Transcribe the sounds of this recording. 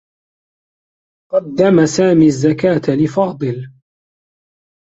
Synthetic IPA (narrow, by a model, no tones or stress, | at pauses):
qɑd̪ːamasaːmiːazːakaːt̪alɪfɑːd̪ˤɨl